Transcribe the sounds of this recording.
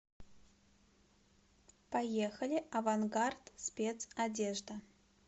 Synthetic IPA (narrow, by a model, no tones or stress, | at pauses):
pajexəlʲɪʔɐvanɡart̪spʲet̪sadʲeʐd̪ə